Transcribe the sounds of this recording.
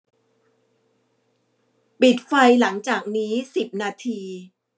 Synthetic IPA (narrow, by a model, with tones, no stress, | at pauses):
pi˨˩t̪̚fa˧jla˩˦ŋt͡ɕaː˨˩k̚niː˦˥si˨˩p̚naː˧t̪ʰiː˧